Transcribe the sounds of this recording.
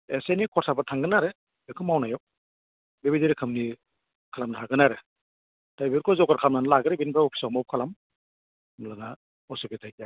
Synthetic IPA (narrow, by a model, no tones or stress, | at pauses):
esenikʰɔɾsʰabatʰaŋɡɯnaɾɯ | ekʰɯmawnajaw | bebidiɾikʰɯmni | kʰalamnaɦaɡɯnaɾɯ | tajbiɾkʰɔjzɔɡaɾkʰamnanalaɡɯɾɯbinbʰɾaɔpʰi̥sawmawp̚kʰalam | mlaŋa | ɔsibetʰajka